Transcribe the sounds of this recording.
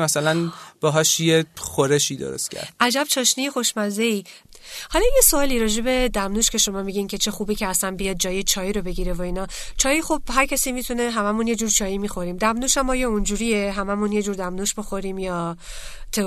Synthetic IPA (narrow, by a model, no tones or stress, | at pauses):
mæsælænb̥ɒɦɒʃjexoɾeʃiːd̪o̰ɾo̰st̪cʰæ̰ɾd̥̪ʔæd͡ʒæb̥t͡ʃʰɒːʃnijexo̞ʃmæzei | hɒlɒjesoɒːliɾɒːd͡ʒe̞be̞d̪æmnuʃcʰe̞ʃo̞mɒːmiɟincʰe̞t͡ʃʰe̞xuːbiːcʰeæsænbijɒːd̪̚d͡ʒɒːjet͡ʃʰɒːjiɾobe̞ɟiːɾevoiːnɒː | t͡ʃʰɒːjixob̥hæɾcʰæsiːmit̪ʰuneɦæmæmunje̞d͡ʒuːɾt͡ʃʰɒːjimixo̞ɾiːmd̪æmnuʃæmːɒːjeund͡ʒuːɾieɦæmæmunje̞d͡ʒuːɾd̪æmnuʃbixoɾiːmjɒː | t̪ʰe